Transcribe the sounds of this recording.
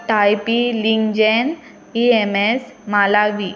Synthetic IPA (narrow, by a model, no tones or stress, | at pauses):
ʈajpiliŋd͡ʑen | iemesmalaʋi